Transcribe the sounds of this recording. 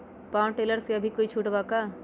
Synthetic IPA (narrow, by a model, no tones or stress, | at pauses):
paw̃ʈeləɾseəbʱikoit͡ʃʰuʈbaka